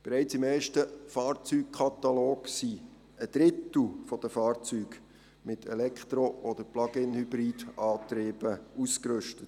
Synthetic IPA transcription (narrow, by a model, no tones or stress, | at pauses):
b̥ɛɾæɪt͡sɪmɛjʃtəfɑːɾt͡syːk̚kʰɑt̪ɑloːksi | əd̥̪ɾɪt̪l̩ˠfɔd̥̪əfɑːrt͡syːɡ | mɪtʰɛ̰lɛkχt̪ɾoʔɔd̥̪əɾplɑɡ̥ɪnhybɾiːd̥ɑːt̪ɾeːb̥əuskɾʉʃtət